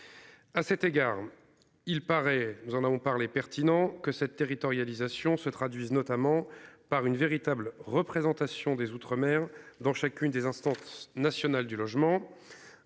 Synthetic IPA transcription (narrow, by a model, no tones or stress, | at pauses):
asɛt̪eɡaːʁ | ilpaʁɛnuzɑ̃navɔ̃paʁlepɛʁt̪ʰinɑ̃kəsɛt̪ːeʁit̪ɔʁjalizasjɔ̃sət̪χad̪ɥiznɔt̪amɑ̃paʁynveʁit̪ablʁəpχezɑ̃t̪asjɔ̃d̪ezut̪χəmɛʁd̪ɑ̃ʃakʲynd̪ezɛ̃st̪ɑ̃snasjɔnald̪ylɔʒmɑ̃